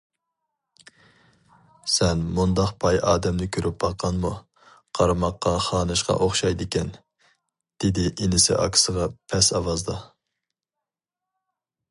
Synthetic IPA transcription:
sɛnmund̪ɑqpʰɑjɑːd̪ɛmnɪkʲʰøɾʔyp̚bɑqʰːɑnmu | qʰɑɾmɑqːɑχɑːnɨʃqɑ̰ʔoχʃɑjd̪ɪkʲɛn | d̪̥ɪd̪ɪʔinɪsɪ̰ʔɑ̰kʲʰsəʁɑpʰɛsɑwɑzd̪ɑ

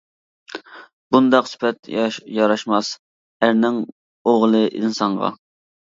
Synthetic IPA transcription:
bund̪ɑqsy̥pʰɛt̪jɑɾɑʃmɑs | æɾnɪŋ | oʁlˠɨʔinsɑɴʁɑ̰

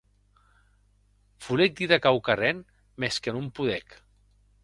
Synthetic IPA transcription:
fulek̚d̪iðakawkarɛn | mɛskənumpuðɛk

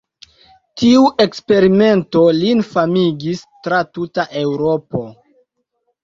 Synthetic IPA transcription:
tiuʔe̞kspe̞ɾime̞nto̞linfamiɡistɾatutaʔe̞wɾo̞po̞

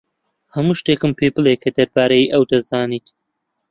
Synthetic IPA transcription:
hɐmuːʃt̪eːkɨmpʰebɨlˠekʰɐd̪ɐɾbaːɾɐjiʔɐwd̪ɐzaːniːt̪

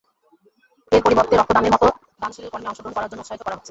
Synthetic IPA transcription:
eɾpoɾiboɾt̪ːeɾɔk̚t̪od̪ameɾmɔt̪o | d̪anʃileɾkɔɾmeɔŋʃod̪onkɔɾaɾd͡ʑonːoosʃaɦit̪okɔɾaɦotːʰe

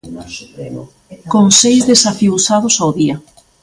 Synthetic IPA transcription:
koŋsejzðesafiusað̞ʊsawðia

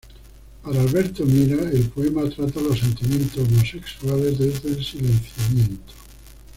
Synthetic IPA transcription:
paɾaːlβeɾt̪omiɾaelpoemat̪ɾat̪alosːe̞nt̪imjẽ̞nt̪osomoseksuale̞zðezðelsilẽn̟θjamjẽnt̪o̥

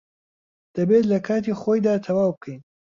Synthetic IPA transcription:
d̪̥ɐbet̪lɐkʰaːt̪ixoːjd̪aːt̪ʰɐwaːwbɨkʰɐjn

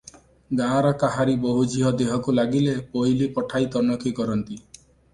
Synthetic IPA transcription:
ɡãɾɔkaɦaɾibɔɦud͡ʒiɦɔd̪eɦɔkulaɡilepojlipɔʈʰajt̪ɔnɔkikɔɾɔnt̪i

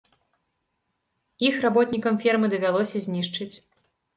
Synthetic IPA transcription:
ixrabɔt̪nʲikɐmfʲirmɨd̪ɐvʲalˠɔsʲɐzʲnʲiʂt͡ʂɨt͡sʲ

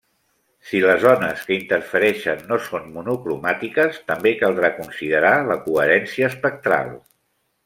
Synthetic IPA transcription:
siləzɔnəskəint̪ərfəɾɛʃənːosonmunukɾumat̪ikəst̪əmbekalˠd̪ɾakunsiðəɾaləkuəɾɛnsiəːspək̚t̪ɾa̰lˠ

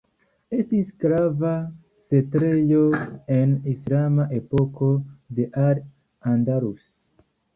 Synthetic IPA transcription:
estiskɾava | setɾe̞joe̞nislamaʔepo̞ko̞d̪e̞ʔaɾ | andaɾus

